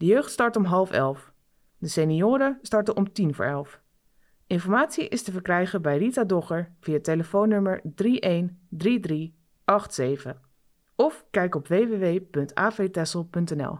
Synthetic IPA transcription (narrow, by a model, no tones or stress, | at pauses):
dəjøɥχtstɑɹtɔmɦɑlˠfɛ̰lˠf | dəseniʊːɾəstɑɹtəʔɔmtinvʊ̰ːɹɛlˠf | ʔɪnfɔɹmaːtsiʔɪstəvəɹkrɛjχəbɛjritadɔχəɹv̥iateləfownːɵməɹdriʔejndridri | ɑχtsejv̥ə | ɔfkɛjkɔpʋejʋeʋejpɵntʰa̰ːfejtɛsəlˠpɵntɛnɛ̰lˠ